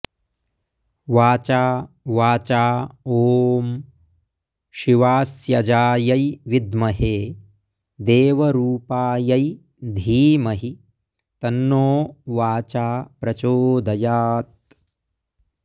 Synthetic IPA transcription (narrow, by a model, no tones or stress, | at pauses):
ʋaːt͡ʃaː | ʋaːt͡ʃaːoːm | ʃiʋaːsjɐd͡ʒaːjɐjʋid̪mɐɦeː | d̪eːʋɐɾuːpaːjɐj | d̪ʱiːmɐɦi | t̪ɐnːoːʋaːt͡ʃaːpɾɐt͡ʃoːd̪ʱɐjaːt̪̚